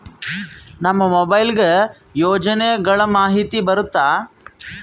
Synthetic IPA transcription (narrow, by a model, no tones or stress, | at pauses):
nɐmːɐmobɐjlɡe | joːd͡ʒɐneːɡɐɭɐmaːɦit̪ibɐɾut̪ːaː